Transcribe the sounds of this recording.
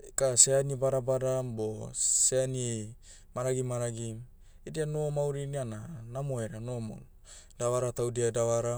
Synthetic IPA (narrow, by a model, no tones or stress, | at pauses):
kaseanibaɾabadamboseani | maɾaɡimaɾaɡim | edianomawɾiniananamoeɾanomo̰n | dawaɾatawdiadawaɾa